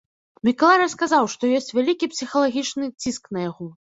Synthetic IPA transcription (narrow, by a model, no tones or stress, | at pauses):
mʲikɐlˠaɾɐskazawʂt̪ɔjɔsʲt͡sʲvʲalʲikʲipsʲixɐlˠaɣʲit͡ʂnɨt͡sʲiskn̪ɐjaɣɔ